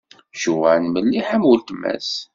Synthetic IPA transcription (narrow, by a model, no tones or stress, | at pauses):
ʃuwænməlːiħæmult̪mːæ̰s